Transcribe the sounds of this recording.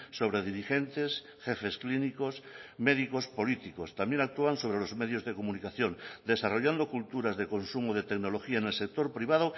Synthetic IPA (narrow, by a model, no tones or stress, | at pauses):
so̞β̞ɾe̞ðiɾixent̪es | xefe̞sklinikosmeðiko̞spo̞lit̪ikost̪amje̞nak̚t̪uanso̞β̞ɾelo̞zmeðjozðekomunikaθjõ̞nd̪esaroʎand̪okult̪uɾazðe̞ko̞nsumoðe̞t̪eɡno̞loxiaenelse̞k̚t̪o̞ɾpɾiβ̞að̞o